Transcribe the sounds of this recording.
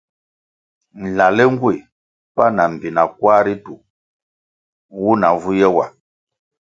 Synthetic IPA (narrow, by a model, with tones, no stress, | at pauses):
n̩˨la˨lɛ˦ŋ˦ɡwe˨ | pa˦na˨m̩˨bi˨na˨kwa˦ɾi˦tu˨ | wu˦na˨vu˦jɛ˦wa̰˨